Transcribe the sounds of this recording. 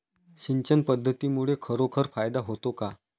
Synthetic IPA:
ɕiɲt͡ɕənpəd̪ʱːət̪imuɭekʰəɾokʰəɾfajd̪aɦot̪oka

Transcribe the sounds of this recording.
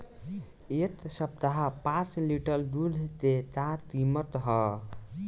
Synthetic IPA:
et̪səp̚t̪aɦapãt͡sliʈəld̪ud̪ʱt̪et̪at̪imət̪ɦʌ

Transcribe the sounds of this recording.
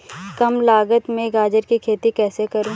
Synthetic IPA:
kɐmlaːɡət̪mẽɡaːd͡ʒəɾkikʰeːt̪ikɛːsekɐɾũː

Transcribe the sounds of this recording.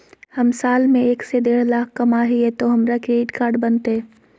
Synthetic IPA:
hɐmsaːlmẽeːksed̪eːɽlaːkʰkɐmaːɦiɦɛt̪oɦɐmɾakɾeːʈkaːɾɖbɐnt̪ɦɛː

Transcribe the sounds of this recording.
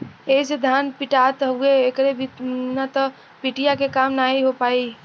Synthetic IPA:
eised̪ʱanpiʈat̪ɦəueːkɾebʱinat̪ɔ | piʈijakekamnaiɦopai

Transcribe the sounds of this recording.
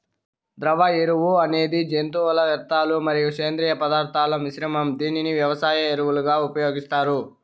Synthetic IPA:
d̪ɾɐʋɐeɾuʋuɐne̞ːd̪id͡ʒent̪uːʋɐlɐʋɐɾt̪aːlumɐɾijuʂeːnd̪ɾiːjɐpɐd̪aːɾt̪ʰaːlɐmiʃɾɐmɐmd̪iːniniʋjɐʋɐsaːjɐeɾuʋuluɡaːupɐjo̞ːɡist̪aːɾu

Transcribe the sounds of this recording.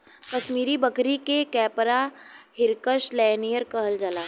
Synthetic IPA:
kɐʃmiːɾibəkɾikekɛːpɾahɪɾkəʃlɛːnijəɾkəɦəld͡ʒəlaː

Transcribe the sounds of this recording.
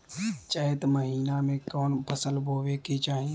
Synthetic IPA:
t͡ʃəet̪məɦiːnamẽkɔːnpʰəsəlboːʋeket͡ʃaːɦi

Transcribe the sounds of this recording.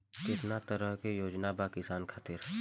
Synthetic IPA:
kɪt̪nat̪əɾəɦkejoːd͡ʒnabakɪsaːnkʰaːt̪ɪɾ

